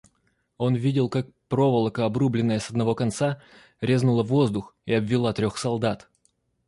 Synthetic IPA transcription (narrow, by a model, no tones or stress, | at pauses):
o̞nvʲidʲɪlˠkak̚pɾo̞vəlˠəkəɐbrublʲɪnːəjəsəd̪nɐvo̞kɐnt̪sa | ɾʲe̞znʊlˠəvo̞zd̪ʊxiɐbvʲɪlˠat̪ɾʲoxsɐlˠd̪at̪